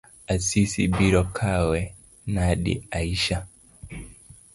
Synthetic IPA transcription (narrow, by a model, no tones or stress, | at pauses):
asisḭbiɾɔkʰawɛ | naɗḭaiʃa